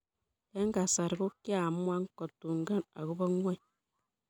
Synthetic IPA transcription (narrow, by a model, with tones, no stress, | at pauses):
e˦ŋ˦ɡa˨sa˨ɾi˨ɾu˦kːi˦a˨m˦a˦ŋ˦ko˨tːu˨ŋ˨ɡa˦na̰˨ɡu˦ba˦ŋʷe˦˨